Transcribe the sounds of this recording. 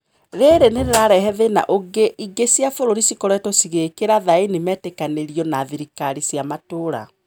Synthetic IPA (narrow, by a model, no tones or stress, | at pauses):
ɾeɾeneɾeɾaɾɛɦɛðena̰ʔoɡeʔiɡesiafoɾoɾisikɔɾɔɛtɔsiɣekeɾaðainimɛːtekaneɾiɔnaðiɾikaɾisjamatoɾa̰